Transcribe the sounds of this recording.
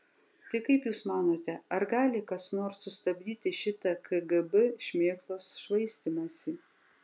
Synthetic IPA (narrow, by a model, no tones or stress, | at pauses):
t̪ʲɪɪkɐɪpjuːsmɑːnoːt̪ʲɛɐɾɡɑːlʲɪkɐsnoːɾsːʊst̪ɐbʲd̪ʲiːt̪ʲɪʃʲɪt̪ɐkʰɐɡɐbɛʃʲmʲeːklˠoːsʃʋɐɪsʲt̪ʲɪmɐsʲi